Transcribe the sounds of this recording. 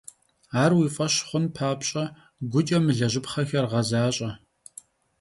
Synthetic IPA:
aːrwiːfʼɐɕχʷʊnpʰaːpɕʼɐ | ɡʷʊt͡ʃʼɐmɨɮɐʑɪpχɐxɐrʁɐzaːɕʼɐ

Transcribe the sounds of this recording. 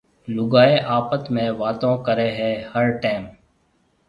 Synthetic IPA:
lʊɡaːeːʔaːpət̪mẽːʋaːt̪õːkəɾeːɦɛːhəɾʈaːm

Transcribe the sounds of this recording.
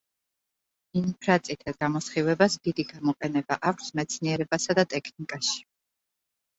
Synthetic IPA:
inpʰɾat̪sʼit̪ʰaɡamɔsχivɛbasd̪id̪iɡamɔqʼɛnɛbaʔakʷʰsmɛt̪sʰniɛɾɛbasad̪at̪ʼɛkʰnikʼaʃi̥

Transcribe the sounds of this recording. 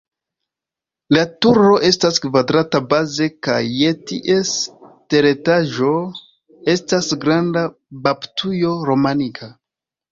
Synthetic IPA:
latuɾo̞ʔe̞staskvadɾatabaze̞kajːetiʔe̞ste̞ɾetaʒo̞ | e̞stasɡɾanda | baptʰujoɾo̞manikʰa

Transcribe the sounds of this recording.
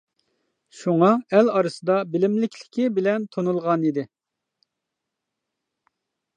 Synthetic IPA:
ʃuŋɑɛlɑɾɨsɨd̪ɑbɪlɪmlɪkʲlɪ̥kʲɪbɪlɛnt̪ʰonulˠʁɑnid̪ɪ

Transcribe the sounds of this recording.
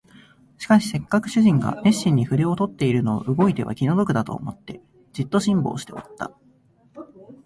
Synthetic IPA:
ɕi̥kaɕi̥se̞kːakɯ̟̥ɕɨʑĩŋɡa̰me̞ɕːĩɲ̟ːiɸɯ̟ɾe̞o̞t̪o̞t̪ːe̞iɾɯ̟no̞̰ːʔɯ̟ɡo̞it̪e̞βa̰kʲino̞d̪o̞kɯ̟d̪at̪o̞̰ːmo̞t̪ːe̞ | d͡ʑit̪ːo̞ɕĩmbo̞̰ːɕi̥t̪e̞o̰t̪ːa̰

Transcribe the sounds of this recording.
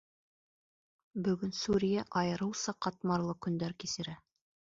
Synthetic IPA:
bɵ̆ɡɵnsuɾʲijæʔɑjɤ̆ɾɤwsɑqɑt̪mɑɾlˠɤkɵ̆nd̪æɾkisɘ̆ɾæ

